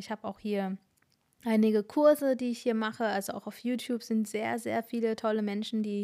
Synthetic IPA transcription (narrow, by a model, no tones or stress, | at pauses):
ɪçhaːbəaʊxhiːɐ | ʔaɪnɪɡəkʰʊɐzədiːɪçhiːɐmaχəʔalzoʔa̰ʊxaʊfjuːtʰjuːpz̥ɪntz̥eːɐzḛːɐfiːlətʰɔləmɛnʃn̩diː